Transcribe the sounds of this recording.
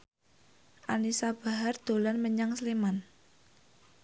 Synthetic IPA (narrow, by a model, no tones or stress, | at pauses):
ʔanisab̥a̤ɦard̪̥o̤lanməɲaŋsleman